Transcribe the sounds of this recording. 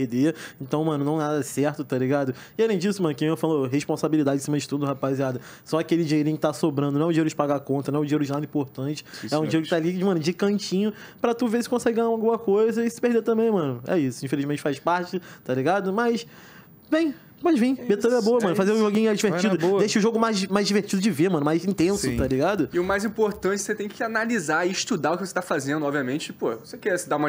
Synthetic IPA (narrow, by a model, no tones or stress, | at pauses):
pehd̪eẽt̪ɐ̃w̃mɐ̃nʊnɐ̃w̃ɛad̪ɛsɛɾt̪ʊt̪aliɡad̪ʊ | ɪalẽj̃d͡ʒisʊmɐ̃nʊkĩẽfaloɦeʃpõsabilid̪ad͡ʒɪ̃simɐd͡ʒɪt̪ũd̪ɦapaziad̪ɐ | sɔakelɪd͡ʒiɲeɾĩjʊkɪt̪asobɾɐ̃nd̪ʊnw̃ɛʊd͡ʒĩeɾʊd͡ʒɪpaɡakõnt̪ɐnw̃ɛʊd͡ʒiɲeɾʊd͡ʒɪnad̪ĩpoɾt̪ɐ̃t͡ʃɪ̥ɛũd͡ʒiɲeɾʊkɪt̪alid͡ʒɪmɐ̃nʊd͡ʒɪkɐ̃t͡ʃĩɲʊ | pɾɐt̪uvesɪ̥kõsɛɡɪɡɐ̃ɲaũawɡũmɐkojzɐisɪ̥pehd̪et̪ɐ̃mbẽj̃mɐ̃nʊɛ̰isʊĩfeliʒmẽnt͡ʃɪ̥fajʃpaɾt͡ʃɪt̪aliɡad̪ʊmɐs | bẽj̃ | pɔd͡ʒɪvĩj̃bet̪ɐ̃ɛboɐmɐ̃nʊfazeɾũʒoɡĩɲʊad͡ʒiveɾt͡ʃid̪ʊdejʃɐʊʒoɡʊmajzmajzd͡ʒiveɾt͡ʃid̪ʊd͡ʒɪvemɐ̃nʊmajzĩt̪ẽsʊt̪aliɡad̪ʊɪʊmajzĩpoɾt̪ɐ̃t͡ʃɪset̪ẽj̃kɪanalizaɪiʃt̪ud̪aʊkɪvose̥t̪afazẽnd̪ʊɔbviɐmẽnt͡ʃɪɪpovosekɛd̪aũmɐ